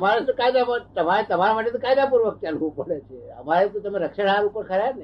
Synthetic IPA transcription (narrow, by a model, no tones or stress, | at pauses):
maɾet̪okajd̪amat̪əmaɾet̪əmaɾamaʈet̪õkajd̪apuɾʋək̚t͡ʃalʋũpəɽet͡ʃʰeə̰maɾet̪õt̪əmeɾəkʃəɽaɾupəɾkʰəɾjanə